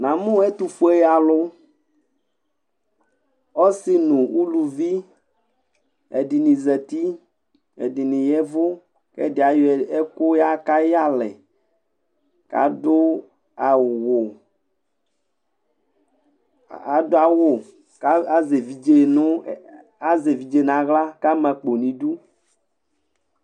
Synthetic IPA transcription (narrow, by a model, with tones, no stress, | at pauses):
nã˨mũ˦ɛ˦t̪u˦fo˦e˦ja˨lʊ˦ | ɔ˦si˦nũ˨wu˦lu˨vi˦ | ḛ˨di˨nĩ˨zɛ˨t̪i˦ | ḛ˨di˨nĩ˨jɛ˦vʊ˦ | kɛ̰˦dɪ˨a˨je˦ko˦ja˦ka˦ja˦lɛ̰˨ | ka̰˨do˦ | a˨wo˨ | a˨do˦a˨wo˨ | ka˦ze˨vi˨d͡ʒe˦nũ˦ | a˦ze˨vi˨d͡ʒe˦nã˨ɣla˦ka˦mɛ̃˨k͡po˨nĩ˨du˦